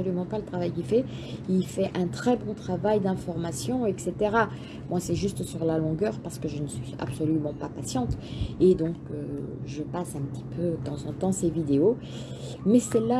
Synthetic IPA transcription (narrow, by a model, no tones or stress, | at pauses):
ɔlymɑ̃palət̪χavajkʲilfɛ | ilfɛʔɛ̃t̪χɛbɔ̃t̪χavajd̪ɛ̃fɔʁmasjɔ̃ɛkset̪eʁa | mwasɛʒyst̪syʁlalɔ̃ɡœːʁpaʁsə̥kəʒənəsɥia̰bsɔlymɑ̃papasjɑ̃t̪ed̪ɔ̃kø̰ʒəpasɛ̃pət̪i̥pʰødət̪ɑ̃zɑ̃t̪ɑ̃sevid̪eo | mɛsɛla